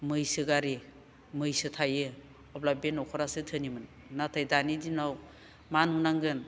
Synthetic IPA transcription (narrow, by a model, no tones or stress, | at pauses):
mɯjsɯɡaɾi | mɯjsɯtʰajɯ | ɔplabenɔkʰɔɾasɯtʰɯnimɯnː | atʰajdanidinaw | manunaŋɡɯn